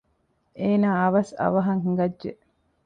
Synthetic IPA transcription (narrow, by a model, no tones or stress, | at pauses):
eːnaːɐʋɐsɐ̰ʋɐɦɐŋɦiŋɡɐdʒe